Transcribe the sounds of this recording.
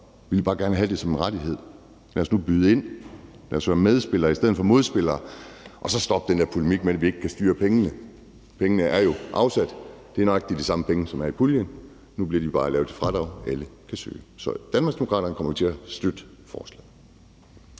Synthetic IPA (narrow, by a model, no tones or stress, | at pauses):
ʋilb̥ɑ̈ːɡ̥æɐnəɦæd̥e̝sɒ̽menʁad̥iɦe̝ð̰ˠ | læɐsnub̥yðˠe̝n̰ | læɐsʋæɐmeð̞ˠsb̥e̝lɐːisd̥eð̞̰̩ˠfɒmo̝ð̞ˠsb̥e̝lɐːʔɒ̽sɒ̽sd̥ɒ̽b̥̚d̥end̥eɐpʰulemiɡ̥̚medæʋie̝ɡ̥kʰæsd̥yːɐpʰeŋənə | pʰeŋənəʔæɐjo̝ʔɑ̈ʊsæd̥d̥e̝æɐnɒɡ̥eɡ̥̚d̥idisɑ̈məpʰeŋəsɒ̽mæɐipʰuljən | nub̥liɐdib̥ɑ̈ːlɛ̰ːʊ̥efʁɑɾ̥ɑʊeləkʰæsø̰ːsɒ̽d̥ænmɑ̈ɡsd̥emo̝kʰɑ̰ːɾɐnəkʰɒ̽mɐjot͡sʰe̝æsd̥ød̥əfɒ̰ːslɛ̰